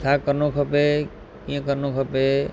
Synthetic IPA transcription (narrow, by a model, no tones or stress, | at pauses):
t͡ʃʰakəɾnokʰəpe | kijə̃kəɾnokʰəpe